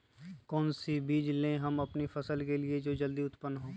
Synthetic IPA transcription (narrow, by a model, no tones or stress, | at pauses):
kɔːnsibiːd͡ʒlẽɦɐmɐpnifʰɐsəlkelied͡ʒoːd͡ʒɐld̪iʊt̪pənːɦoː